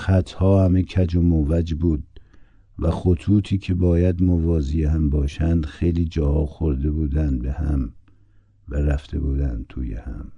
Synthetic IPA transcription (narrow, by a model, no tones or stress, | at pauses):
xæt̪ʰhɒːhæmekʰæd͡ʒomovæd͡ʒbuːd̪̚ | væxot̪ʰuːt̪ʰiːkʰebɒːjæd̪movɒːzijehæmbɒːʃænd̪xejliːd͡ʒɒːhɒːxoɾd̪e̞buːd̪ænd̪̚behæ̰m | væɾæft̪e̞̰buːd̪ænd̪̚t̪ʰuːjḛhæ̰m